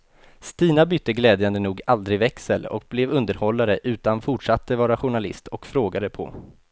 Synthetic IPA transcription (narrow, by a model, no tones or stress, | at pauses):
st̪iːnabʏt̪ːəɡlɛːd̪jənd̪ənuːɡald̪ɾɪvɛksəlɔ̰k̚blɛːvɵnd̪əɾhɔlːaɾəʔʉ̟ːt̪anfʊʈʂat̪ːəvɑːɾaɧʊɳalɪ̰st̪ʰɔkfɾoːɡad̪əpʰɔ̰